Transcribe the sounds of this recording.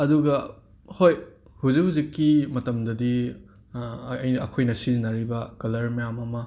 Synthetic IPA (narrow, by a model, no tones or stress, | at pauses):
ɐduɡɐ | hoj | huzikhuzikːimɐtɐmdɐdi | ɐjnɐkʰojnɐsizinɐɾibɐkɐlɐɾmijamɐmɐ